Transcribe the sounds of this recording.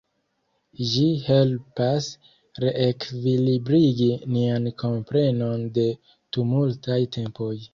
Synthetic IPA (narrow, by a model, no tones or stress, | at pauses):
ʒihe̞lpas | ɾe̞ʔekvilibɾiɡiniankʰo̞mpɾe̞no̞nde̞ | tumultajtʰe̞mpo̞j